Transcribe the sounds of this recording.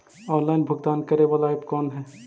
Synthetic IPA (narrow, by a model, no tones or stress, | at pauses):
ɔːnlaːɪnbʱɐɡt̪aːnkɐɾeʋalaːɪpkɔːnɦɛː